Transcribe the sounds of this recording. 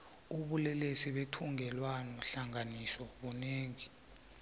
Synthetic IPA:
uɓulɛlesiɓetʰuŋʱɛlwanɔɬaŋanisɔɓuneːŋi

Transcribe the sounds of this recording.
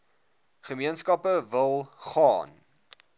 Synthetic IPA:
χəmiənskɐpəvəlˠχɑːn

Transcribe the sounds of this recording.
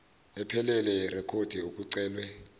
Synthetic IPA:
ɛpʰɛlɛlɛrɛkʰod̥ʱiuk̬ʼuǀɛːlwɛ

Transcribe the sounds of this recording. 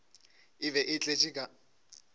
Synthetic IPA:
ɪbɛʔɪt͡ɬʼet͡ʃʼikʼa

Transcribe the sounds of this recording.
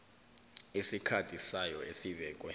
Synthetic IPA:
esikʰatʰʼisajɔesiɓɛːk̬ʼwɛ

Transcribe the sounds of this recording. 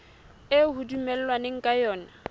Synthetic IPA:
ehudumɛl̩lwanɪŋ̩kʼajɔːna

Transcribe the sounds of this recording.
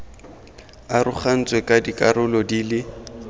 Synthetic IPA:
arʊχan̩t͡sʼwɛkʼadikʼaɾʊlɔdiːlɪ

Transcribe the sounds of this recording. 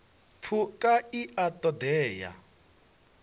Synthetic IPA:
fʰukʼaiʔatʼɔd̪ɛːja̰

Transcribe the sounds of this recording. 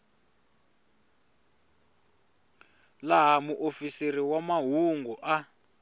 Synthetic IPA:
laɦamuʔofiseriwamaɦuŋɡuʔa

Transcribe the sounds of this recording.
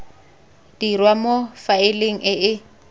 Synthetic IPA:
d̥irwamofaɪleŋ̩ʔɪʔɪ

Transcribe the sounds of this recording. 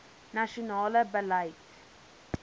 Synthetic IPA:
naʃɔnaːləbəlajt

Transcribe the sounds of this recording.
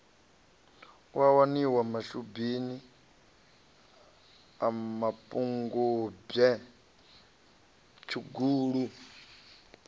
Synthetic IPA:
wawaniwamaʃubini | amapʼuŋɡub͡ʐɛ | t͡ʃʰuɡuːɺu

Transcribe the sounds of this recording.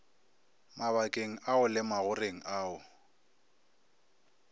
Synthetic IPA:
maβakʼeŋ̩aʊlɪmaɣʊreŋ̩ʔaːʊ

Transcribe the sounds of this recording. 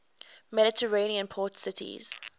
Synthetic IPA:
mɛɾɪtʰəɹeniə̃npʰɔːtsɪtʰḭz̥

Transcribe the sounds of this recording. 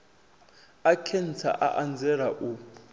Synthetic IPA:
akʰɛn̩t͡sʰa̰ʔa̰ʔand͡zʱɛɾaʔu

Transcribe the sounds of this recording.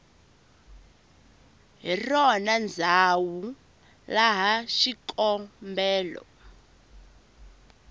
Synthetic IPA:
ɦirɔnand͡zʱawu | laɦaʃikʼɔmbɛːlɔ̰

